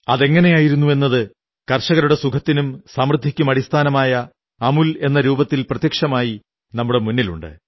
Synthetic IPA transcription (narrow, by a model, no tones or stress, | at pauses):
ɐðe̞ŋːɐne̞jaːjiɾunːue̞nːɐðɨ | kɐrʂɐɣɐɾuɽe̞sukʰɐt̪ːinumsɐmrɨd̪ʱːikʲːumɐɽist̪ʰaːnɐmaːjɐː | mule̞nːɐɾuːbɐt̪ːilprɐt̪jɐkʂɐmaːji | nɐmːuɽe̞munːilṵɳɖɨ̰